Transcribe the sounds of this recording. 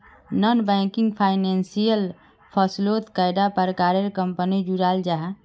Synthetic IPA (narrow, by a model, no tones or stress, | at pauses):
nənbɛ̃kiŋɡpʰajnensijəl | pʰəslot̪kajd̪apəɾkaɾeɾkəmpənid͡ʒuɾald͡ʒaɦ